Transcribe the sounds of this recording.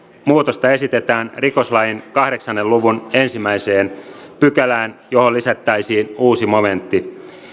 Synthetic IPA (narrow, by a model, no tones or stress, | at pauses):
muːt̪ost̪ɑe̞sit̪e̞t̪æːnriko̞slɑjinkɑhɾe̞ksɑnːeluʋune̞nsimːæise̞ːnpykælæːnjo̞ɦolːisæt̪ːæisiːnuːsimo̞me̞nt̪ːi